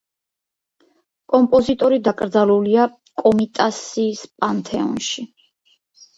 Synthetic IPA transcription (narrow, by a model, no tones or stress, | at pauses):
kʼɔmpʼɔzit̪ʼɔɾid̪akʼɾd̪zalulia | kʼɔmit̪ʼasiːspʼant̪ʰɛɔ̰nʃi